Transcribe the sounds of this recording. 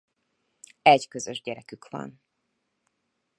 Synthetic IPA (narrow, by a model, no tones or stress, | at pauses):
ɛɟkøzøʒɟɛɾɛkykʋɒ̰n